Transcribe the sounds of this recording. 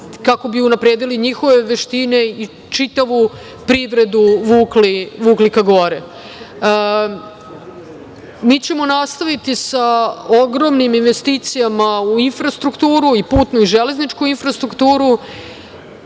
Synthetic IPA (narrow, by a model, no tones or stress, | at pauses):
kako̞biunapɾeːd̪iliɲixo̞ʋeʋeʃt̪ine̞i | t͡ʂit̪aʋu | pɾiʋɾe̞d̪uʋuːkliʋuːklikaɡo̞ɾe | miːt͡ɕe̞mo̞nast̪aʋit̪isaoɡɾo̞mniminʋe̞st̪iːt̪sijamauinfɾast̪ɾukt̪uːɾuipuːt̪nuiʒeleznit͡ʂkuinfɾast̪ɾukt̪uːɾu